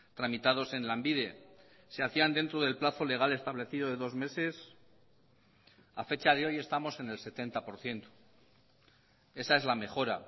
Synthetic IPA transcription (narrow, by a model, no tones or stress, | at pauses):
t̪ɾamit̪að̞o̞se̞nlambiðe̞ | se̞aθiand̪e̞nt̪ɾo̞ð̞e̞lplaθo̞le̞ɣ̞ale̞st̪aβle̞θiðo̞ðe̞ðo̞zme̞se̞s | afe̞t͡ʃað̞e̞o̞je̞st̪amo̞se̞ne̞lse̞t̪e̞nt̪apo̞ɾθje̞nt̪o̥ | e̞sae̞zlame̞χo̞ɾa̰